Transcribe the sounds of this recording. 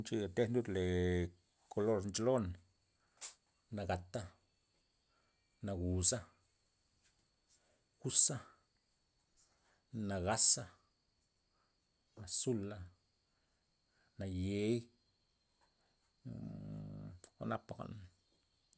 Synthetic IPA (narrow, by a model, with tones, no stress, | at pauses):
nt͡ʃi˧˨t̪e˦nd̪u˦d̪le˨ | kʰo˧lo˧ɾnt͡ʃlo˦n | na˨ɡa˨t̪a˦ | na˨˧ɡu˨sa˦ | xu˦sa˦ | na˨ɣa˦sa˦˧ | na˨su˦la˧ | na˨je˨˦j | a̰˦na˦pa˨ɡa̰˨n